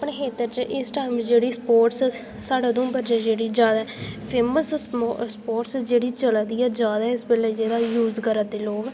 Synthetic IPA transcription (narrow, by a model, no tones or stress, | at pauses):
əpɳeːɦeːt̪əɾt͡ʃəʔɪsʈaːɪmd͡ʒeːɽiːspoːʈs | saːɽaːd̪õːbəɾd͡ʒed͡ʒeːɽiːd͡ʒjaːd̪aɛpʰeːməsspoːʈsd͡ʒeːɽiːt͡ʃəlad̪iːaːd͡ʒjaːd̪aːɛɪsbɪleːd͡ʒeːd̪aːjuːzkəɾad̪eːloːɡ